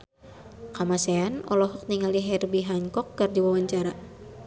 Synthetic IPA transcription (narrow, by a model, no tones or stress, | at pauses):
kamasɛanɔlɔɦɔk̚niŋaliɦɛrbiɦaŋkɔk̚ːərdiwawaɲt͡ʃaɾa